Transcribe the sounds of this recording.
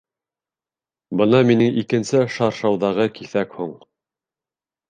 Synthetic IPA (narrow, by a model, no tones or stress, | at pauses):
bɤnɑminɘŋikɘ̆nsɘʃɑɾʃɑwðɑʁɤkiθækhuɴ